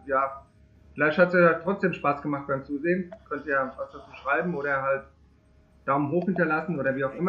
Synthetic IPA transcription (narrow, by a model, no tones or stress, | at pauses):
jaː | fɪlaɪçthatsjaːjatʁ̥ɔt͡sd̥eːmʃpaːsɡ̥əmaχt̚b̥aɪmt͡suːzeːənkʰœntiːjaːvasd̥at͡suːʃʁ̥aɪbm̩ʔoːɾɐɦalt | d̥aʊmənɦoːxhɪntɐlasn̩ʔoːɾɐviːaʊxʔɪmɐ